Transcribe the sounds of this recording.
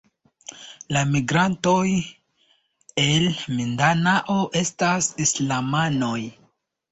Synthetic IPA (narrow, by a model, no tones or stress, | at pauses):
lamiɡɾanto̞j | e̞lmindanaʔoʔe̞stasislamano̞j